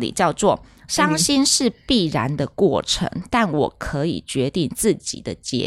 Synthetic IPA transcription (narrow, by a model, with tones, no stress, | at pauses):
lḭ˨˩t͡ɕjɑ˥˧ʊt͡swɔ˥˨˩ʂɑ˥ŋɕi˥nʂɻ̩˥˧pi˥˩ɻa˧˦nd̪ə˧kwɔ˥˩ʈ͡ʂʰə̰˧˥ŋt̪a˥˩nwɔ̰˨˩kʰɤ˧˥ḭ˨˩t͡ɕɥɛ˧˥t̪i˥˧ŋt͡sɹ̩˥˩t͡ɕḭ˨˩d̪ə˦t͡ɕjɛ̰˦